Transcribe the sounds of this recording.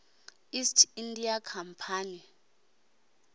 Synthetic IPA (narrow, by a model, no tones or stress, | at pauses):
istʰindijakʰampʰaːni